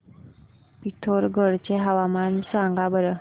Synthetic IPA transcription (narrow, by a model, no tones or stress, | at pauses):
pit̪ʰoɾɡʱəɽt͡ɕeɦəʋamansʋãŋɡabəɾə